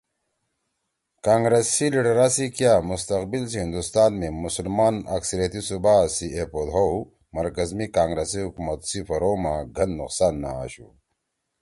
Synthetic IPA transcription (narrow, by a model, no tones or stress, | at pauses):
kaːŋɡɾesiliɖɐɾasikjaːmust̪ɐqbilsiɦind̪ust̪aːnmemusulmaːnɐ̰ksɐɾijɐt̪isubasiepod̪ɦow | mɐɾkɐzmikaːŋɡɾesiɦukumɐt̪sifɐɾomaɡʱɐnːuqsaːnːa̰a̰ɕṵ